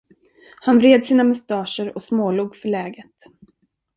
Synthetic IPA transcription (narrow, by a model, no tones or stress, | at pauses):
hanvɾeːd̪siːnamʊst̪ɑːʂəɾɔsmoːluːɡfœɭɛːɡət̪